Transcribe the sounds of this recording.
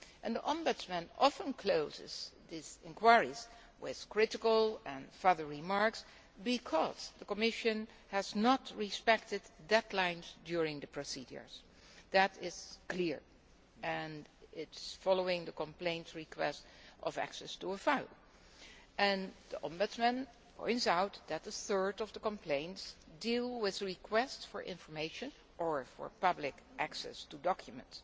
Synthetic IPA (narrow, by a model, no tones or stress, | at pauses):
ʔɨ̃ndiʔɑ̃mbɨsmɨ̃nɑfə̃nkʰl̥oʊzɪ̰z̥ðizɪ̃nkʰw̥aɪɹiz̥ | wɪð̥kʰɹ̥ɪɾɪkəl̩ˠɛ̃nfɜ˞ðə˞ɹimɑɹks | bikʰɔz̥ðəkəmɪʃɨ̃n | hɨznətɹispɛk̚tɨd̚ːɛdlãɪ̃nz̥djʊɹɪ̃ŋðɨpʰɹ̥osid͡ʒə̰˞z | ðɨɾɪz̥kʰlɪɹ | ɨ̃nɪtsfɑloʊɪ̃ŋðəkə̃mplẽɪ̃ntsɹikʰwɛ̰stʌ̰væ̰ksɛstuəfaɪlˠ | ʔɨ̃nðiʔɑ̰̃mbʊtsmɨ̃n | pʰɔ̰̃ɪ̃ntsawt̚ðɨt̪̚ðəθɜ˞dʌvðəkə̃mpʰlẽɪ̃nts | dilˠwɪðɹikʰwɛstsfəɹʔɪ̰̃ɱfə˞meɪʃɨ̃n | ʔə˞fɔ̰ɹpʌblɪkʔæksɛ̰studɑkʰjumə̰̃nts